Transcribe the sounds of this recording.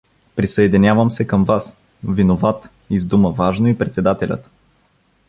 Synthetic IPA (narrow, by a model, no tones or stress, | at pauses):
pɾisəɛd̪inʲjavəmsɛkəmvas | vinovat̪ | izd̪uməvaʒnoipɾɛt̪sɛd̪at̪ɛlʲə̰t̪